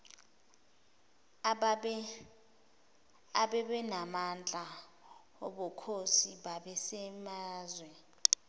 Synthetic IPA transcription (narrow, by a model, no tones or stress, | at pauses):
aɓɛɓɛnamand͡ɮʼa | ɔ̰ɓɔkʰosiɓaɓɛsɛmaːzwɛ